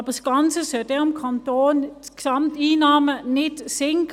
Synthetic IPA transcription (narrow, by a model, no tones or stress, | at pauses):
b̥əsɡ̥ɑnt͡səsœld̥ɛːɪmkʰantoːnksɑmtiːnɑːmənɪtsɪŋk